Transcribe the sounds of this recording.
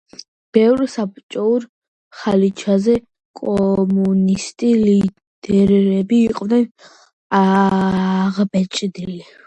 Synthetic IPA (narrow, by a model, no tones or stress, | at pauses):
b̥ɛvɾsap̚ʼt͡ʃʼɔuɾ | χalit͡ʃʰazɛ | kʼɔmunist̪ʼili | d̪̥ɛɾɛbiːqʼvnɛn | a | ʁbɛt͡ʃʼd̪ili